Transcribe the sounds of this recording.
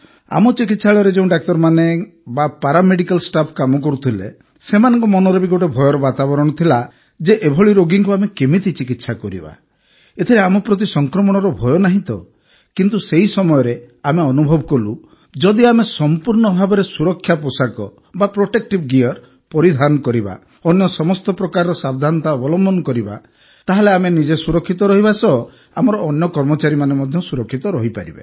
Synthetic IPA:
a̰mɔt͡ʃikit̪saɭɔɔɾed͡ʒeũɖak̚t̪ɔɾmanebapaɾameɽikalsʈapʰkamɔk̬ɔɾut̪ʰilḛ | semanɔŋkɔmɔnɔɾɔbiɡoʈebʱɔjɔɾɔbat̪abɔɾɔɽ̃ɔt̪ʰila | d͡ʒeʔebʱɔɭiɾoɡiŋkuamekemit̪it͡ʃikit̪sakɔɾḭba̰ | et̪ʰiɾeamɔpɾɔt̪̬isɔŋkɾɔmɔɽ̃ɔɾɔbʱɔjɔnaɦĩt̪ɔ̰ | kint̪useɦisɔmɔjɔɾeameɔnubʱɔbɔkɔlu | d͡ʒɔd̪iamesɔmpuɾɳɔbʱabɔɾesuɾɔkʰːjaposakɔ | bapɾoʈek̚ʈibɡiɔɾ | pɔɾid̪ʱanɔkɔɾiba̰ | ɔnjɔsɔmɔst̪ɔpɾɔkaɾɔɾɔsab̚d̪ʱant̪aɔbɔlɔmbʱɔnɔkɔɾiba̰ | t̪aɦeleamenid͡ʒesuɾɔkʰːit̪ɔɾɔɦiβasɔ | amɔɾɔːnjɔkɔɾmɔt͡ʃaɾimanemɔd̪ʱjɔsuɾɔkʰːit̪ɔɾɔɦipa̰ɾḭbḛ

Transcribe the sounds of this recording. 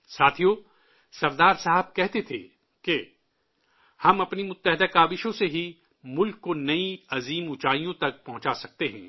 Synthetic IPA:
saːt̪ʰijo | sɐɾd̪aːɾsaːɦəb̚kɛɦt̪et̪ʰḛ | ke | hɐmɐpnimʊt̪ːəɦɪd̪akaːʋɪʃõseɦi | mʊlkːonɐiɐziːmʊt͡ʃaːijõt̪ɐk̚pɐ̃ɦʊ̃t͡ʃasɐk̚t̪eɦɛ̰̃ː

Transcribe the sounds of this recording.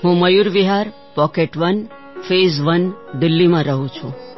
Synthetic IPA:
ɦũməjuɾʋiɦaɾ | pɔkeʈʋən | fezʋənɖ̪ɪlːimãɾəɦũt͡ʃʰṵ̃

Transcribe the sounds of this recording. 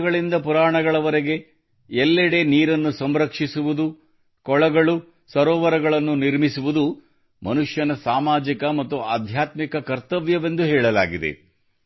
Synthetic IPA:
ɡɐɭind̪ɐpuɾaːɳɐɡɐɭɐʋɐɾeɡe̞ | ɛlːɛɽe̞niːɾɐnːusɐmɾɐkʂisuʋud̪u | kɔɭɐɡɐɭu | sɐɾɔːʋɐɾɐɡɐɭɐnːuniɾmisuʋud̪u | mɐnuʂjɐnɐsaːmaːd͡ʒikɐmɐt̪ːuaːd̪ʱjaːt̪mikɐkɐɾt̪ɐʋjɐʋe̞nd̪uɦɛːɭɐla̰ːɡid̪ḛ

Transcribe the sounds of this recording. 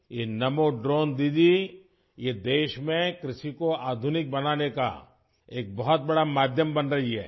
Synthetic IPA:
jenɐmoɖɾoːnd̪iːd̪i | jed̪eːʃmẽkɾɪʃikoaːd̪ʱʊnɪk̚bɐnaːneka̰ | eːk̚bɐɦɔt̪̚bɐɽamaːd̪ʱjəmbɐnɾɐɦiɦɛ̰ː

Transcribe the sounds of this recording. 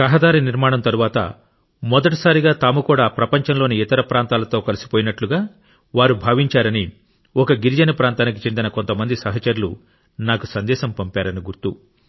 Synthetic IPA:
kɐɦɐd̪aːɾiniɾmaːɽɐmt̪ɐɾuʋaːt̪ɐ̰ | mɔd̪ɐʈ̬ɐ̥saːɾiɡaːt̪aːmukuːɽaːpɾɐpɐɲt͡ʃɐnlo̞ːniit̪ɐɾɐpɾaːnt̪aːlɐt̪o̞ːkɐlisi̥poːjinɐʈluɡaː | ʋaːɾubʱaːʋiɲt͡ʃaːɾɐni | ɔkɐɡiɾid͡ʒɐnɐpɾaːnt̪aːnik̬it͡ʃe̞nd̪inɐkont̪ɐmɐnd̪isɐɦɐt͡ʃɐɾulṵ | naːkusɐnd̪ɛːʃɐmpɐmpaːɾɐniɡuɾt̪u

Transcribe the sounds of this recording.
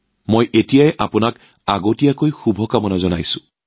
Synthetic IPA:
mojʔetijajʔapʊnak | a̰ɡotijakojxubʱɔkamɔnazɔnajsʊ̃

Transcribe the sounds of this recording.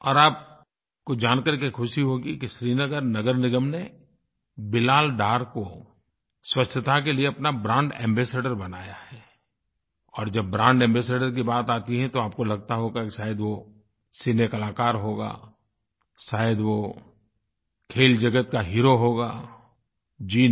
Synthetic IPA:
ɔ̰ːɾaːp̚ | kod͡ʒaːnkəɾkekʰʊʃiɦoːɡikiʃɾiːnəɡəɾnɐɡəɾnɪɡəmne | bɪlaːlɖaːɾko | swɐt͡ʃʰːət̪ak̬elieɐpnabɾãːɳɖɛ̰̃ːmbeːseːɖəɾbɐnaːjaɦɛː | ɔːɾd͡ʒɐbːɾãːɳɖɛ̃ːmbeːseːɖəɾk̬ibaːt̪aːt̪iɦɛ̃t̪oaːp̚kolɐɡ̚t̪aɦoɡakiʃaːjəd̪ʋo | sinekɐlaːkaːɾɦoːɡa̰ː | ʃaːjəd̪ʋo | kʰeːld͡ʒɐɡət̪̚kaɦiːɾoɦoːɡaː | d͡ʒiː

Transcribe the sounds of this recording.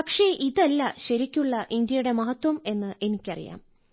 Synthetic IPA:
pɐkʂe̞ʔiðɐlːɐɕɐɾikʲːuɭːɐʔind̪jɐjuɽe̞mɐɦɐt̪wɐme̞nːɨʔe̞nikʲːɐrḭja̰ːm

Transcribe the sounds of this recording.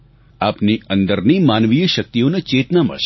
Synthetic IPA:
aːpniə̃nd̪əɾnimaːnʋijəʃək̚t̪ijonet͡ʃeːt̪namə̰ɾʃ

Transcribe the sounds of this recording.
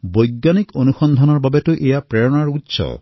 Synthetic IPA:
bojɡːanikonuxɔnd̪ʱɔnɔɹbabetuʔejapɹeɹɔnaɹutːsɔ̰

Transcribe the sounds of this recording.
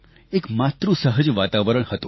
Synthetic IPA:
ekmat̪ɾũsəɦəd͡ʒʋat̪aʋəɾəɽhət̪o

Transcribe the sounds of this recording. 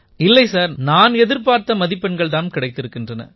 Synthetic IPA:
ɪlːɐɪsaːɾnaːnɛðɪɾpaːɾt̪ɐmɐðɪpːɛnɡɐɭt̪aːnmkɪɽɐɪt̪ːɪɾɯkːɪndrɐnɐ̰

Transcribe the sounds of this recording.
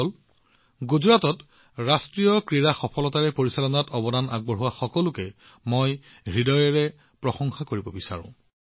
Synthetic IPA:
ɔl | ɡuzɹatɔt | ɹastɹijɔkɹiɹaxɔpʰɔlɔtaɹɛpoɹisalɔnatɔbɔdana̰ɡ̚bɔɹɦʊwaxɔkɔlʊkɛ | moj | ɹidɔjɛɹɛ | pɹɔxɔŋxakoɹibɔbisa̰ɹʊ̰̃

